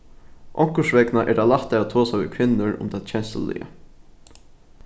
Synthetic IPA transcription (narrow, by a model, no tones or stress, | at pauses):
ʔɔŋkəʂʋɛknaʔɛd̪alaht̪aat̪ʰoːsaʋḭkʰʋɪnːəɹʊ̰md̪at̪t͡ɕʰɛnsə̰lɪ̰jə̰